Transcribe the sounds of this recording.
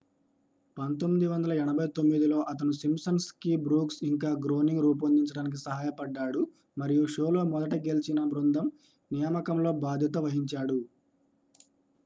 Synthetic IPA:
pɐnt̪omːid̪iʋɐnd̪ɐlɐɛɳɐbʱɐjt̪o̞mːid̪ilo̞ːʔɐt̪̬ɐnusimsɐnskibɾuːksiŋkaːɡɾo̞ːniŋɡɾuːp̬ɐnd̪iɲt͡ʃɐɽaːnik̬isɐɦaːjɐpɐɖːaːɽu | mɐɾijuʃoːlo̞ːmɔd̪ɐʈɐɡe̞lit͡ʃinɐbɾund̪ʱɐm | nijɐmɐkɐmlo̞ːbaːd̪ʱjɐt̪̬ɐʋɐɦiɲt͡ʃaːɽu

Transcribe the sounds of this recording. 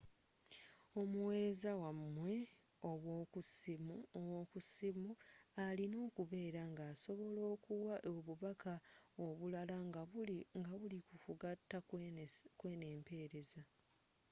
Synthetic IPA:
o̞muwe̞ːɾe̞zawamːwe̞ | o̞βwoːkusimowoːkusimualino̞ːkuβe̞ːɾaŋɡaːso̞βo̞lo̞ːkuwaʔoβuβakʰaoβulalaŋaŋɡaβulikukuɡatːa | kwe̞ːne̞ːmpe̞ːɾe̞za

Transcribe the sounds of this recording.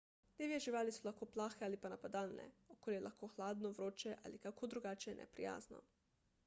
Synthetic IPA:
d̪eːʋieʒiʋaːlisɔlaxkoːplaːxɛalipanapad̪aːlnɛ̰okoːljɛlʔaxkoːxlaːd̪nɔʋɾoːt͡ʃɛʔa̰likakʰod̪ɾuɡaːt͡ʃɛnʔɛ̰pɾḭja̰ːznɔ̰

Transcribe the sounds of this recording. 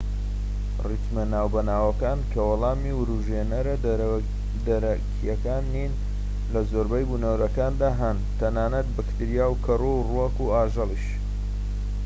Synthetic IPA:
rit̪mɐnaːwbɐnaːwɐkaːnkʰɐwɑlˠɑːmiwɾuʒenɐɾɐ | d̪ɐɾɐkʰijɐkaːnːin | lɐzoːɾbɐjbunowɾɐkaːnd̪aːɦɐn | t̪ʰɐnaːnɐt̪̚bɨkt̪iɾijaːwkʰɐrowruɐkuaːʒɨlˠiʃ

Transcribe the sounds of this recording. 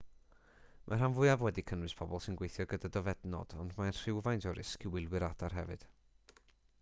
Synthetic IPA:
mʔar̥anvʊɨavwɛdikʰənwɨspʰɔbɔlˠsɪnɡwejθjɔɡədadɔvɛdnɔ̰d̥ɔ̰ndmanr̥ɪwvajndɔɾɪskʰɪwɪlˠwɨɾad̥arɦɛ̰vɨ̰d̥

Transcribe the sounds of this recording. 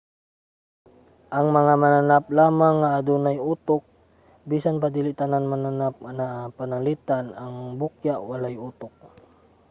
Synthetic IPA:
ʔɐŋmɐŋamananap̚laːmaŋːaʔːd̪unajʔuːt̪ok̚ | biːsanpad̪iːlɪʔt̪ananmananap̚napanalit̪anaŋbukjaʔwalajʔuːt̪ok̚

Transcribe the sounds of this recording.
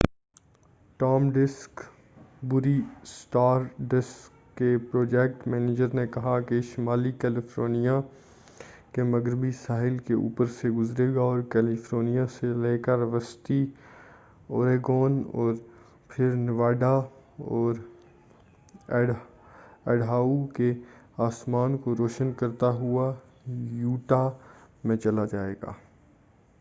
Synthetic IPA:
ʈɔːmɖɪsk | bʊɾisʈaːɾɖɪskːepɾoːd͡ʒɛːk̚ʈmɛ̃ːneːd͡ʒəɾnekɐɦakeʃɪmaːlikɛːlɪfʰɾoːnijã | kemɐɡɾɪbisaːɦɪlkeṵːpəɾseɡʊzɾeːɡaɔːɾkɛːlɪfɾoːnijãseleːkəɾʋəst̪i | oːɾeːɡɔːnɔːɾ | pʰɪɾnɪʋaːɖa | ɔːɾ | ɛːɖɦaːuke | aːsmaːnkoɾoːʃənkɐɾt̪aɦua | juːʈa | mẽt͡ʃɐlad͡ʒaːḛːɡa̰ː

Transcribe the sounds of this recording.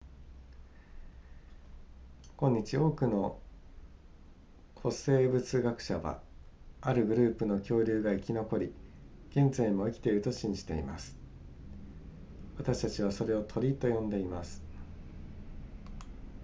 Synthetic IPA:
kõ̞ɲ̟ːit͡ɕio̞ːkɯ̟no̞ | kʰo̞se̞ːbɯ̟t͡sɨɡakɯ̟̥ɕaβa̰ | aɾɯ̟ɡɯ̟ɾɯ̟ːpɯ̟no̞kʲo̞ːɾʲɯːɡaikʲino̞ko̞ɾʲi | ɡ̥ẽ̞nd͡zaimo̞ikʲi̥t̪e̞iɾɯ̟t̪o̞ɕĩɲ̟d͡ʑi̥t̪e̞ḭma̰sɨ̥ | βat̪aɕi̥t̪at͡ɕiβ̞aso̞ɾe̞o̞t̪ʰo̞ɾʲit̪o̞jõ̞nd̪e̞imasɨ̥

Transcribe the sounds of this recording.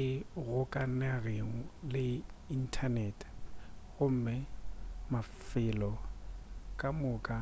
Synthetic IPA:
ɪɣʊkʼanaɣeŋ̩lɪin̩tʰanɛtʼɣʊm̩mɛmafɪlɔ | kʼamʊːkʼa

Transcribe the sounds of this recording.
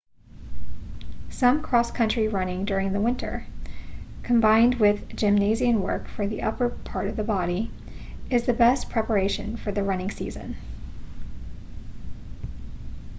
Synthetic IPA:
sʌ̃mkʰɹ̥ɔskʰʌ̃nt͡ʃɹ̥iɹʌnɪ̃ŋdʊɹɪ̃ŋðəwɪ̃ntʰə̰˞ | kʰɨ̃mbãɪ̃nd̚wɪðd͡ʒɨ̃mneɪziɨ̃nwɜ̰˞kfə˞ðiʔʌpə˞pʰɑɹɾʌvðəbɑɾi | ɨzðɨbɛspʰɹ̥ɛpə˞eɪʃɨ̰̃nfə˞ðɨɹʌnɪ̃ŋsḭzɨ̰̃n

